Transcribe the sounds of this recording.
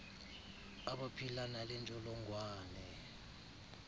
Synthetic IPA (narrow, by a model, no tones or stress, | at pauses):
aɓapʰilanalɛnt͡ʃʼɔlɔŋɡʱwaːnɛ